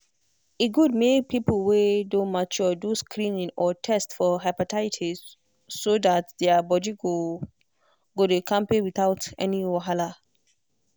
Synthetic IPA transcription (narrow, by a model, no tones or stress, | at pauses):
eɡud̚mek̚pʰipolwedõnmat͡ʃɔdoskʰɾĩnĩŋɔtʰɛstfɔɦapatʰaɪtʰi | sodatdɛabɔdiɡo | ɡodekʰãmpewiθaʊtɛ̰niwaɦala